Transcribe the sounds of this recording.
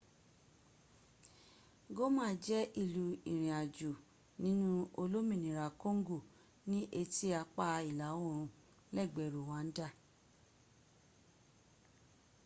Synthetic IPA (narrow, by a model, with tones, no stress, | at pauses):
ɡo˦mãː˦d͡ʒɛ˦ʔi˦˨lu˨ĩ˨ɾ̃ĩ˨a˨d͡ʒu˨ | nĩ˨˦nũ˦o˧lo˦mĩ˨nĩ˨ɾa˨kõ˦ŋ˦ɡo˦˨ | nĩ˦ʔe˧ti˦a˧k͡pa˧i˨la˨˦wo˦˨ɾ̃ũ˧ | lɛ˦˨ɡ͡bɛ˨ɾu˨w̃ã˨˦n̩˦da˦˨